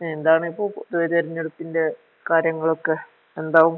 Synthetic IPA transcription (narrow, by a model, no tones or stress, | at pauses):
neend̪aːɳɨipːo̞ːɭðuʋɐɾɐɾɐɲːeɽup̪ːinde̞ | kaːɾjɐŋːɐɭo̞kːe | end̪aːʋum